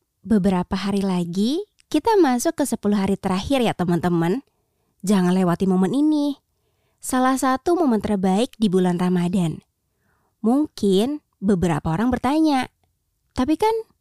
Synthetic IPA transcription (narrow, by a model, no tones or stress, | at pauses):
bəbəɾapaɦaɾilaɡi | kit̪amasʊkːəsəpuluɦaɾit̪əɾahɪrjat̪əmənt̪əmən | d͡ʒaŋanlewat̪imoməninɪ | salahsat̪umomənt̪ərbaɪk̚dibulanramadan | muŋkɪn | bəbəɾa̰paoɾaŋbərt̪aɲa | t̪apikan